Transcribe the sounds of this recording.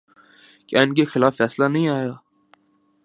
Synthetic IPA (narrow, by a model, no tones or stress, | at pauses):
kaɪnk̬exɪlaːfːɛːslanɐɦĩaːjaː